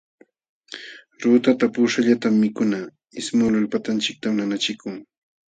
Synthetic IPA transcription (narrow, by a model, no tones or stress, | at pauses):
ɾuːt̪at̪apuːʃaʎat̪amːɪkʊna | ɪsmʊlʊlpat̪ant͡ʃɪk̚t̪amnanat͡ʃɪkʊŋ